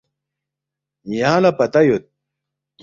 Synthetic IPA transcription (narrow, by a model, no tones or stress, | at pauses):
jaːlɐpɐt̪ɐjot̪̚